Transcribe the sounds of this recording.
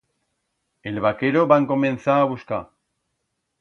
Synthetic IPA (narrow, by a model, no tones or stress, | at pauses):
elβakeɾoβaŋko̞mẽ̞nθaːβuska